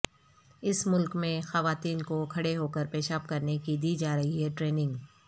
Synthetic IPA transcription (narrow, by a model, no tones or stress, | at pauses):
ɪsmʊlkmẽxɐʋaːt̪iːnkokʰɐɽeɦoːkɐɾpeːʃaːpkɐɾnekid̪iːd͡ʒaːɾɐɦiɦɛʈɾeːnɪ̃ŋɡ